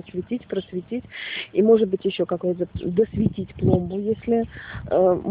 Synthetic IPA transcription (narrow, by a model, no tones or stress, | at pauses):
əsvʲɪtʲitʲpɾəsvʲɪtʲitʲimo̞ʐɨt̪̚bɨtʲjɪɕːo̞kakojət̪̬əd̪əsvʲɪtʲitʲplˠo̞mbʊjesʲlʲɪ | m